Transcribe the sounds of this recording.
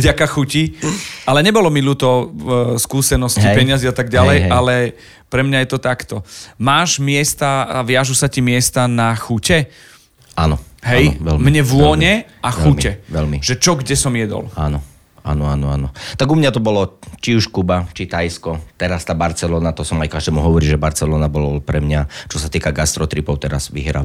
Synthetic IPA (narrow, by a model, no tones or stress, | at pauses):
vɟakaxuciʔalɛɲɛbɔlɔmilut̪ɔskuːsɛnɔscipɛɲɪaziat̪aɡ̚ɟalɛjalɛ | pɾɛmɲajɛt̪ɔt̪akt̪ɔmaːʒmɪɛst̪aʋɪaʒusacimɪɛst̪anaxucɛ | a̰ːnɔ̰ɦɛjʋɛ̰lmɲɛʋʊɔɲɛʔaxɛumcɛʋɛlmiʒɛt͡ʃɔɡɟɛsɔmjɛd̪ɔ̰laːnɔ | a̰ːnɔaːnɔaːnɔt̪aɡumɲat̪ɔbɔlɔt͡ʃiuʃkubat͡ʃit̪ajskɔt̪ɛɾast̪aːbaɾt͡sɛlɔːnat̪ɔsɔmajkaʒd̪ɛːmuɦɔʋɔɾiːʒɛbaɾt͡sɛlɔːnabɔlpɾɛmɲat͡ʃɔsat̪iːkaɡast̪ɾɔt̪ɾipɔʊt̪ɛɾa̰z̥ʋḭɦɾa̰